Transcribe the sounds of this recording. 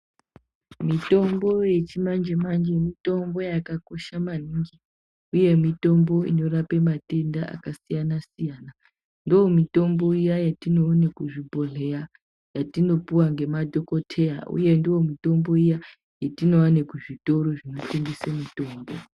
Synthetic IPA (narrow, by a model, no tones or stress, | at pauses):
mito̞mbo̞je̞t͡ʃimand͡ʒemand͡ʒemito̞mbo̞jakako̞ʃamaniːŋɡi | uje̞mito̞mbo̞ḭno̞rape̞mate̞ndaʔa̰kasijanasijaːna | ndoomito̞mbo̞ijajatino̞ːnekuʐibʱoɮe̞a | jatino̞puwaŋɡe̞madʱo̞ko̞tʰe̞ja̰ʔṵje̞ndiwo̞mito̞mbo̞ija | jetino̞anekuʐito̞ɾo̞ʐino̞teŋɡisemito̞ːmbo